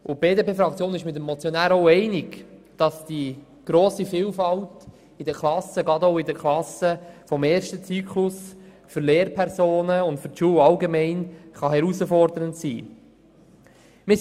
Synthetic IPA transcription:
ʔʊb̥eːdepʰeːfɾɑk̚t͡sjoːnɪʃmɪt̬əmːɔt͡sjonæːɾoʊɛɪnɪɡd̥ɑsd̥i | ɡ̥ɾoːsifiːlfɑlt | ɪdəklɑsəɡɑdoʊɪdəkʰlɑsəfɔmeːɾʃtət͡syːkʰlʊs | fʏɾleːɾpʰɛɾsoːnəʊntfʏɾtʃuːəwɑlɡemɛɪnχɑɦɛɾusəfɔɾdəɾəntsḭː | mɪ

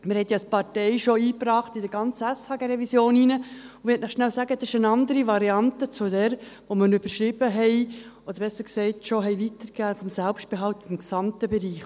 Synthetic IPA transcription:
mɪɾhɛt̪jɑspɑɾtɛɪʃɔiːpɾɑːχtɪdəɾɡɑnt͡səæshɑɡəɾɛvisjoːninəʊmɛtnəχʃnælsæɡədʃənɑnd̪əɾiʋɑɾiɑntət͡sʊdɛːɾʋɔməɾnʏb̥əɾʃɾɪbəɦɛɪ | ɔd̪əɾbɛsəɾksɛɪtʃoɦɛɪʋit̪əɾɡæːfɔmsælpʃt̚b̥ɛɦɑlt̪ɪmksɑmtəbɛɾiːχ

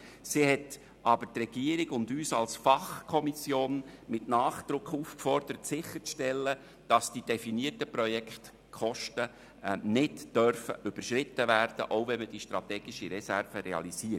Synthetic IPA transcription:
sihɛt | ʔɑbəɾtrɛɡ̥iəɾiɡʊndyːsɑ̰lsfɑχkʰɔmisjoːnmɪtnɑːχd̪̥ɾʊkʰχuːfkfɔɾd̥̪əɾətsɪχəɾt͡sʃtɛlːə | d̥ɑsd̥id̥ɛfiniərtəpɾɔjɛkχt | kʰχɔʃtə | nɪdd̥œɾfə̰ʔʏb̥əɾʃɾɪtːəvæɾd̥ə̰ʔoʊvɛnməd̥iʃtɾɑtɛːɡ̥iʃiɾɛsærfəɾɛɑ̰lisiət

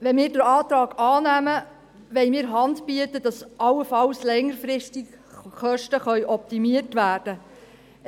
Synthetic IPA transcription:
ʋɛnmɪːɾdəɾɑːt̪ɾɑːɡ̥ɑːnæmə | ʋɛɪmɪːɾɦɑndb̥iətəd̥ɑsʔɑlːəfɑlslɛŋəɾfɾɪstɪk | χœʃtəχœʏʔɔp̚timiərtʋæːrd̥ə

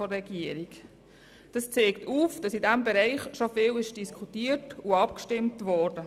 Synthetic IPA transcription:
ɔrːɛɡ̥iəɾiɡ | d̥ɑst͡seːktuːfd̥ɑsidæmbɛɾæɪχʃofɪːlɪʃd̥iskʰχutiːətuɑpkʃtɪmtʋɔːrd̥ə

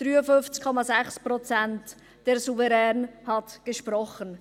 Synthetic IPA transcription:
d̥ɾyːəfʏnft͡skʰɔmɑzæχsprɔt͡sænt | d̥ɛɾsuvɛɾɛːnhɑtɡ̥əʃpɾɔχən

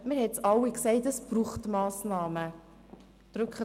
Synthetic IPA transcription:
mɪɾhɛtsɑwiksɛɪtəsb̥ɾuːχtmɑːsnɑːmə | d̥ɾɵkχə

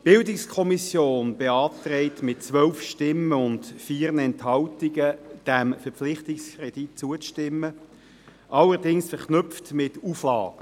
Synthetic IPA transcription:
b̥ɪldɪkskʰɔmisjoːnb̥eɑːtɾɛɪtmɪt̚t͡sʋœlfʃtɪmːəʊntfiːɾnəɛnthɑltiɡəd̥æmfɛʁflɪχtɪkskɾed̥it̚t͡suət͡sʃtɪmːə | ʔɑlːəʁdɪŋsfɛʁχnʏpftmɪtuflɑ̰ːɡ̥ə

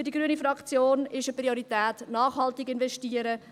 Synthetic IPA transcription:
ydiɡɾyənifɾɑkt͡sjoːnɪʃəprioɾitɛːtnaːχhɑltɪɡɪnvɛʃtiːəɾə

